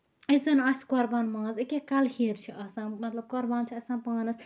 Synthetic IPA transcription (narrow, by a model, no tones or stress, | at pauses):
ɐzɐnɐsʲkoɾbaːnmãːzikekɐlhiːɾt͡ʃʰiɐsãːmɐt̪lɐb̚koɾbaːnt͡ʃʰiɐsãːnpaːnɐs